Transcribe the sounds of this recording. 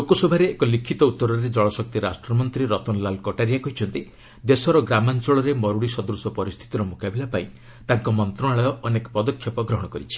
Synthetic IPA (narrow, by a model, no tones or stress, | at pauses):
lokosobʱaɾeːkɔlikʰːit̪ɔut̪ːɔɾɔɾed͡ʒɔɭɔsɔk̚t̪iɾasʈɾɔmɔnt̪ɾiɾɔt̪ɔnlalkɔʈaɾijakɔɦit͡ʃʰɔnt̪i | d̪esɔɾɔɡɾamant͡ʃɔɭɔɾemɔɾuɽisɔd̪ɾusɔpɔɾist̪ʰi̥t̪iɾɔmukabilapaĩ | t̪aŋkɔmɔnt̪ɾɔɽ̃aɭɔjɔʔɔnekɔpɔd̪ɔkʰjɔpɔɡɾɔɦɔɽ̃ɔkɔɾit͡ʃʰi̥